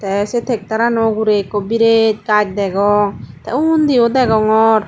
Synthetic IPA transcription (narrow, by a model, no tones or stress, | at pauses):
t̪ɛset̪ʰek̚t̪aɾanɔɡuɾekːɔbiɾet̪̚kak̚d̪ɛɡɔŋt̪ɛund̪eod̪ɛɡɔŋɔɾ